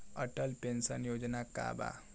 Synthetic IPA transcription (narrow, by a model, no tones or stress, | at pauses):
əʈəlpensənjod͡ʑnaka̰ba̰